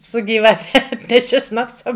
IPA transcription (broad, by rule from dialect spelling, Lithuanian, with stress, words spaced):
sʊ ɡʲiːʋɐˈtʲɛ ˈɑːtʲnʲɛʃʲɪ ˈʃnɑːpsɐ